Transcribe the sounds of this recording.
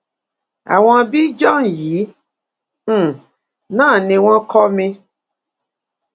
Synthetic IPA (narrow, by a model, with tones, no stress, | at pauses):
a̰˨wɔ̃˦˨bi˦d͡ʒɔ˦ŋji˨˦˨ | nãː˦˨nẽ˨w̃ã˦kɔ˦mẽ˧